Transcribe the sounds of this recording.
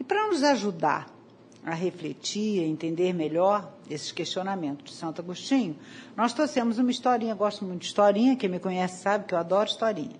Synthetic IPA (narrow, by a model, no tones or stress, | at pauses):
ɪpɾɐnʊzaʒud̪a̰ | ɐɦeflet͡ʃiɾɐẽnt̪ẽnd̪eɾmeʎɔɾesɪ̥keʃt͡ʃionamẽnt̪ʊzd͡ʒɪsɐ̃nt̪aɡuʃt͡ʃĩɲʊnɔst̪ɾosẽmʊzũmɐist̪ɔɾĩɲɐɡɔst̪ʊmũj̃t̪ʊd͡ʒi̥st̪ɔɾĩɲɐkẽmɪkõɲɛsɪ̥sabɪkɪewad̪ɔɾʊiʃst̪ɔɾḭ̃ɲɐ